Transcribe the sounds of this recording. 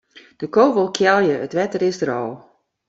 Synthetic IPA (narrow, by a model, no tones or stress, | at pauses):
d̥əkoːvəlˠkʰjɛlˠjəətʋɛtərɪsdəɾɔː